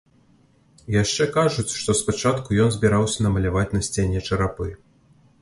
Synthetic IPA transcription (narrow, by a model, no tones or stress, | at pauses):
jaʂt͡ʂɛkaʐut͡sʲʂt̪ɔspat͡ʂat̪kujɔnzʲbʲiɾawsʲɐnɐmɐlʲavat͡sʲnɐsʲt͡sʲenʲɛt͡ʂɐɾapɨ